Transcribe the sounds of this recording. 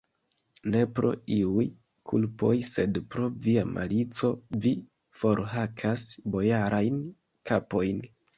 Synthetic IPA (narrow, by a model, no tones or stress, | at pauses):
ne̞pɾo̞̰iuj | kʰṵlpo̞̰jse̞dpɾo̞viamʔa̰lit͡so̞vi | fo̞ɾɦakʰasbo̞jaɾʔajn | kʰapo̞jn